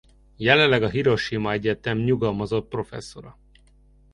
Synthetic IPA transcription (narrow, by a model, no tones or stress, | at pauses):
jɛlɛllɛɡɒɦiɾo̞ʃimɒɛɟɛt̪ɛmɲuɡɒlmɒzo̞t̪̚pro̞fɛ̰sːo̞ɾɒ